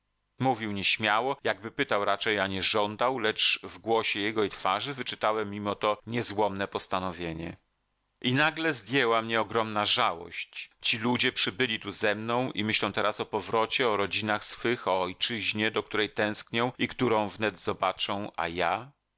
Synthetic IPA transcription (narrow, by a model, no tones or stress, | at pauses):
muvʲiwɲɛɕmʲjawɔjaɡ̚bɘpɘt̪awɾat͡ʂɛjaɲɛʐɔnd̪awlɛt͡ʂvɡwɔɕɛjɛɡɔit̪faʐɘvɘt͡ʂɘt̪awɛmʲːimɔt̪ɔɲɛzwɔmnɛpɔst̪anɔvʲjeɲɛ̰ | inaɡlɛzd̪ʲjɛwamɲɛɔɡɾɔmnaʐawɔ̰ɕt͡ɕt͡ɕilud͡ʑɛpʂɘbɘlʲit̪uzɛmnɔ̃w̃ʔimɘɕlɛ̃w̃t̪ɛɾasɔpɔvɾɔt͡ɕɛɔɾɔd͡ʑinaxsfɘxɔːjt͡ʂɘʑɲɛd̪ɔk̚t̪uɾɛjt̪ɛ̃w̃skɲɔ̃w̃ikt̪uɾɔ̃w̃vnɛd̪zɔbat͡ʂɔ̃w̃ʔa̰ja